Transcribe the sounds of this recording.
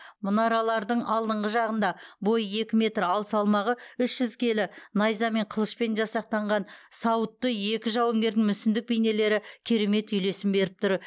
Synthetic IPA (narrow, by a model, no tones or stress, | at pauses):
mʊnɑɾɑlˠɑɾd̪əɴʔɑlˠd̪əɴʁəʒɑʁən̪d̪ɑbo̞jəje̞kʲɪme̞t̪ɾɑlˠsɑlˠmɑʁəʏʃʒ̥ʏzkʲʰe̞lɪnɑjzɑme̞ɴqʰəlˠəʃpe̞nʒɑsɑq̚t̪ɑɴʁɑnsɑwət̪ːəje̞kʲɪʒɑwɵŋɡʲe̞ɾd̪ɪŋmʏsɪnd̪ɪk̚bejne̞le̞ɾɪkʲʰe̞ɾe̞me̞t̪ʏjle̞sɪmbe̞ɾɪp̚t̪ʰʊɾ